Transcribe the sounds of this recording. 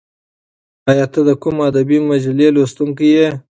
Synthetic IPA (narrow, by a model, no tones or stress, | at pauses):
ɑjɑt̪əd̪əkʊmad̪abimad͡ʒalelost̪uŋkije